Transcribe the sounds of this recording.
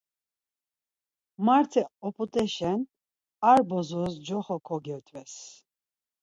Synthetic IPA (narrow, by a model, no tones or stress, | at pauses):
maɾt̪ʰɛɔpʰʼut̪ʼɛʃɛn | aɾbɔzɔsd͡ʒɔχɔkʰɔɡɛɾt̪ʼvɛs